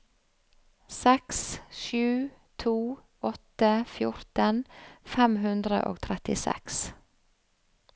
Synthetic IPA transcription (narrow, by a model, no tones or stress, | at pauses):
sɛksʃʉːt̪ʰuː | ɔt̪əfjʊɾt̪ənfɛmɦʉnd̪ɾə̰ʔo̰ːɡt̪ʰɾɛt̪ɪsɛ̰ks